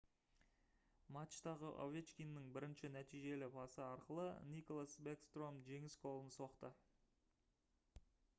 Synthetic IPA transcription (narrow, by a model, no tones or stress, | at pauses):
mɑt͡ʃt̪ɑʁəʔo̰vʲet͡ʃkʲinːɪŋbɪɾɪnʃɪnæt̪ijʒe̞lɪbɑsəɑɾqəlˠəniko̞lˠasbekst̪ro̞mʒe̞ŋɪskʰo̞lˠənso̞qt̪ə